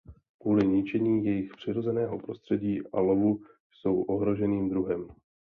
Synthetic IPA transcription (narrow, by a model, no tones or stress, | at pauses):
kuːlɪɲɪt͡ʃɛɲiːjɛjɪxpr̝̥ɪɾo̞zɛnɛːɦo̞pɾo̞st̪r̥ɛɟiːʔa̰lovu | jso̞wʔo̞ɦɾo̞ʒɛniːmd̪ɾuɦɛm